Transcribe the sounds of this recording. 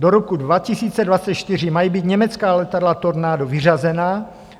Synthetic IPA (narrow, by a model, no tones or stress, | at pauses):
doɾokudvacisiːt͡sɛdvat͡sɛt̪t͡ʃt̪ɪr̝ɪmajiːbiːt̪ɲɛmɛt͡skaːlɛt̪adlat̪oɾnaːdovɪr̝azɛnaː